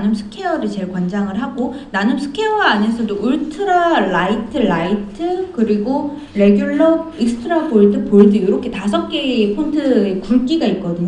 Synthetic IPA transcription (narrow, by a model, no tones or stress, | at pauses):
nɯmsʰɯ̥kʰe̞ʌɾɯɭt͡ɕe̞ɭkwʌnd͡ʑaŋɯɭɦaɡonanɯmsʰɯ̥kʰeʌɡaːne̞sʰʌdouɭtʰɯɾaɭaitʰɯɭaitʰɯkɯɾiɡo | ɾe̞ɡjoɭːʌiksʰɯ̥tʰɯɾaboɭdɯpoɭdɯjoɾʌkʰe̞tas̬ʰʌk̚k͈e̞ːpʰontʰɯekuɭk͈iɡait̚k͈ʌdɯɲo